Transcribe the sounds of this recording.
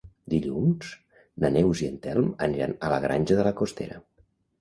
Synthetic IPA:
d̪iʎuns | nənɛwziənt̪ɛlˠmə̰niɾa̰nələ̰ɣɾʔanʲʒəðələkost̪ḛɾə

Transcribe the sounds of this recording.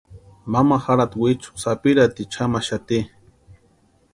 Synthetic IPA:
mamaxaɾat̪wit͡ʃu̥sapiɾat̪it͡ʃʰamaʃat̪i

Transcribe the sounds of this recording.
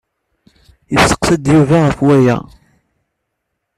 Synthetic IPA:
jəsːə̥qsæd̪juvaʁəfwæjæ̰

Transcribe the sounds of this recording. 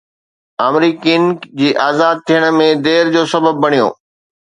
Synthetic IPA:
aːmɾiːkind͡ʑiːʔaːzaːd̪̚t̪ʰijəɽ̃ə̆mẽd̪eːɾd͡ʑoːsɐbəbːɐɽ̃ijo̰ː

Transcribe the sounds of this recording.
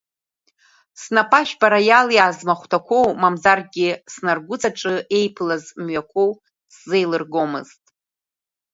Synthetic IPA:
snapʼaʃᶣbaɾajaljaːzmaχʷtʰakʷʰo̞wmamzarɡʲɪsnarɡʷʊt͡sʼaʈ͡ʂʼɨe̞jpʰlazmɥakʷʰo̞w | sze̞jlɨrɡo̞mɨ̰z̥tʼ

